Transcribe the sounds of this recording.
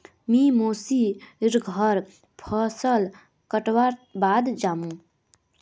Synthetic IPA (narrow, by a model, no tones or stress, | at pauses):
mĩmoːsiɾɡʱəɾ | pʰəsəl | kəʈwaɾbaːd̪d͡ʒaːmũ